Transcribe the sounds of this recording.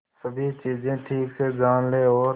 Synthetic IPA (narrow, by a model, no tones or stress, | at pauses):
səbʱiːt͡ʃiːd͡ʒẽːʈʰiːkseːd͡ʒaːnleːoː